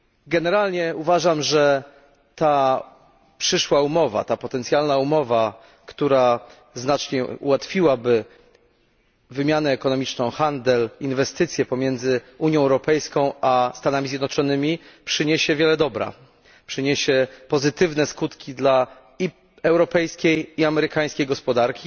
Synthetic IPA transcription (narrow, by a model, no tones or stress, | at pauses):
ɡɛnɛɾalɲɛuvaʐamʐɛ | t̪a | pʂɘʂwaumɔva̰t̪apɔt̪ɛnt̪sʲjalnaumɔva | kt̪uɾa | znat͡ʂɲɛṵwat̪fʲiwabɘ | vɘmʲjanɛːkɔnɔmʲit͡ʂnɔ̃w̃xand̪ɛlinvɛst̪ɘt̪sʲjɛpɔmʲjɛnd̪zɘuɲjɔ̃w̃ɛwɾɔpɛjskɔ̃w̃ʔast̪anamʲizʲjɛd̪nɔt͡ʂɔnɘmʲipʂɘɲeɕɛvʲjɛlɛd̪ɔbɾa̰ | pʂɘɲeɕɛpɔzɘt̪ɘvnɛskut̪kʲid̪la | i | ɛwɾɔpɛjskʲejiamɛɾɘkaj̃skʲejɡɔspɔd̪aɾkʲi